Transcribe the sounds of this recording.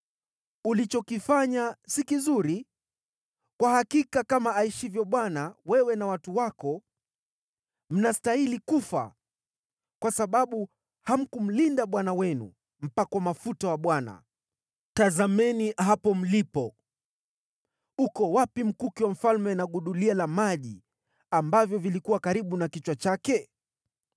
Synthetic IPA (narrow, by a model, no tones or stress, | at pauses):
ulit͡ʃɔkifaɲasikizuɾi | kwahakikakamaaiʃivjɔɓwanawɛwɛnawatuwakɔ | m̩nastailikufa̰ | kwasaɓaɓu | ham̩kum̩lindaɓwanawɛnṵ | m̩pakwamafutawaɓwana̰ | tazamɛniɦapɔm̩lipɔ | ukɔwapim̩kukiwam̩falmɛnaɠuɗulialamaʄi | ambavjɔvilikuwakaɾiɓunakit͡ʃwat͡ʃakɛ